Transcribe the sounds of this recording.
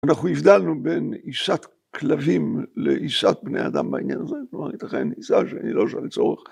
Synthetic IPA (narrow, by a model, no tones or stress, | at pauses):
anaχuifd̪alnube̞niʃat̪ | klavimlḛʔiʃat̪̚bneja̰d̪a̰mbainjanazeklomaʁit̪aχeniʃaʃeanilo̞ʃalt͡so̞ʁeχ